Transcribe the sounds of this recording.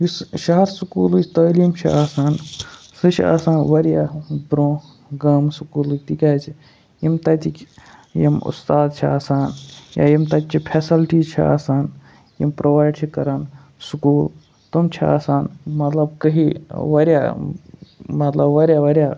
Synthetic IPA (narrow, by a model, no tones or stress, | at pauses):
jisʃaɦɐɾsukuːlɨt͡ʃt̪əːlimt͡ʃʰiaːsaːn | sɨt͡ʃʰia̰ːsaːnʋɐɾjabɾõː | ɡɐːmsukuːlɨt̪ikʲaːt͡ʃʰi | jimt̪ɐt̪ikjɐmṵst̪aːd̪̚t͡ʃʰia̰ːsaːnja̰jimt̪ɐt̪t͡ʃʰipʰeːsilʈiːt͡ʃʰia̰ːsaːn | jḭmpɾoːʋaːjɖt͡ʃʰikɐɾan | sukuːl | t̪umt͡ʃʰia̰ːsaːnmɐt̪lɐbkɐɦiʋɐɾja̰ː | mɐt̪lɐbʋɐɾʲjaːʋɐɾʲjaː